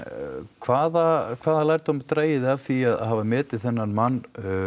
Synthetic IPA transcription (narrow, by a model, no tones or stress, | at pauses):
kʰvaːðakʰv̥aːðalajɾ̥t̪hɔmat̪ɾaːjɪðɪavθiaða̰ðɦavamɛːt̪ɪð̥θɛnːanmanː